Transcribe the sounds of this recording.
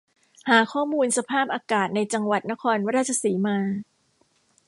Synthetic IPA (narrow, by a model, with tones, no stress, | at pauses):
haː˩˦kʰɔː˥˩muː˧nsa˧pʰaː˥˩p̚ʔaː˧kaː˨˩t̪̚na˧jt͡ɕa˧ŋwa˨˩t̪̚na˦˥kʰɔː˧nwa˦˥ɾaː˥˩t̚t͡ɕʰa˧siː˩˦maː˧